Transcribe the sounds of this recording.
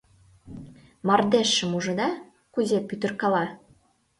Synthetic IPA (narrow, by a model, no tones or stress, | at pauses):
mɑrd̪eʃːə̆muʒɤ̆d̪ɑ | kuzʲepyt̪ə̆rkɑlɑ